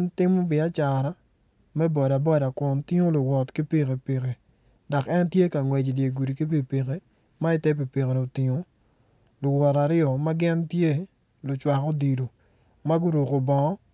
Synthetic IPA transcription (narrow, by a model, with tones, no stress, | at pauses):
ntɪ˦mo˦bɪ˨a˦t͡ʃa˨ɾa˨˦ | mɛ˦bɔ˨da˨bɔ˦da˨kwɔ˨ntɪ˦ŋo˦lʊ˨wɔ˨tki˦pi˦ke˨pi˨ɣe˨ | dɔ˨kɛ˦ntje˦ka˨ŋwɛ˨d͡ʒdje˨ɡu˨di˨ki˦p̬i˨pi˨ɣe˦ | ma˦ɪ˦tɛ˦p̬i˨pe˨ɣe˨ɾo˨tɪ˨ŋo˨ | lʊ˨wɔ˨ɾa˨ɾɪɔ˨ma˦ɡɪ˦ntje˦ | lʊ˨t͡ʃwa˨ko˦di˨lo˨ | ma˦ɡʊ˦ɾo˨ko˨bɔ˨ɔ˦